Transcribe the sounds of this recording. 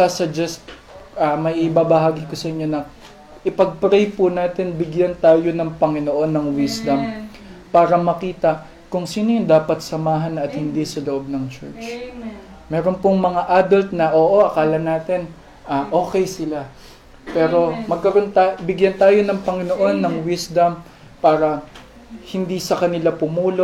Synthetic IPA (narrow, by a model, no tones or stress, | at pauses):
asɐd͡ʒɛst̪ | ʔɐmɐjʔɪbabɐɦaːɡɪkosɐʔɪɲːo̞nɐ | ʔɪpɐɡ̚pɾɛjpʊnaːt̪ɛnbɪɡjant̪aːjo̞nɐŋpɐŋɪnoʔo̞nːɐŋwɪsd̪ɐm | paːɾɐmɐkiːt̪ɐʔ | kʊŋsiːnojnd̪aːpɐt̪̚sɐmaːɦɐnɐt̪̚hɪnd̪isɐloʔo̞b̚nɐŋt͡ʃɛ̰ɹt͡ʃ | mɛːɾo̞npʊŋmɐŋaʔaːd̪ɐlt̪̚nɐʔoːʔo̞ʔɐkaːlɐnaːt̪ɛn | ʔaʔo̞ːkɛjsɪla | pɛːɾo̞mɐɡ̚kɐɾo̞nt̪abɪɡjant̪aːjo̞nɐŋpɐŋɪnoʔo̞nːɐŋwisd̪ɐm | paːɾɐ | hɪnd̪isɐkɐnɪlapʊmuːlo̞